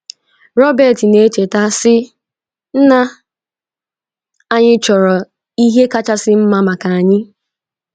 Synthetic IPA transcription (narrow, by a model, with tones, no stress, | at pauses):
ɾɔ˦bɛ˨ti˨ne˦t͡ʃe˨ta˦sɪ˦ | n̩˦na˦ | a˦ɲɪ˦t͡ʃɔ˨ɾɔ˨ | i˦ɦe˦ka˦t͡ʃa˦sɪ˦m̩˦ma˦ma˨ka˨a˨ɲɪ˦